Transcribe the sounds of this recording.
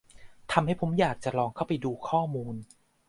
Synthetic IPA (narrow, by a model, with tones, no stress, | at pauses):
t̪ʰa˧mha˥˩jpʰo˩˦mjaː˨˩k̚t͡ɕa˨˩lɔː˧ŋkʰa˥˩wpa˧jduː˧kʰɔː˥˩muː˧n